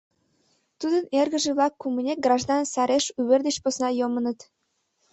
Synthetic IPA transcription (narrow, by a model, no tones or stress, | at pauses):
t̪ud̪ənerɣə̆ʒĕβlɑkːumənʲek̚ɡrɑʒd̪ɑnsɑɾeʃyβerd̪et͡ɕposnɑjomənət̪